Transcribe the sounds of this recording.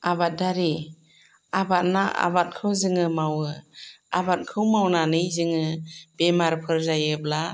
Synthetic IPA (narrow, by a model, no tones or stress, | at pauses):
abat̚daɾi | abat̚naʔa̰bat̚kʰɯwzɯŋɯmawɯabat̚kʰɯwmawnanɯjzɯŋɯb̥emaɾpʰɯɾzajɯb̚la